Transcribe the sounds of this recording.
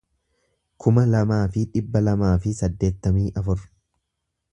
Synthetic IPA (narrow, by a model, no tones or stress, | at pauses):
kʰʊmɐlɐmaːfɪᶑɪbːɐlɐmaːfɪsɐd̪ːe̞ːt̪ːɐmiːʔɐfʊɾ